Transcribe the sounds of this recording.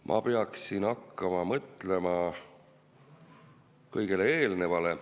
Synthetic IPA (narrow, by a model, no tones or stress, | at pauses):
mʔɑ̰peɑksinɑkːɑmɑmɤt̪ˑle̞mɑ | kɤjɡ̥elee̞ːlne̞vɑle̞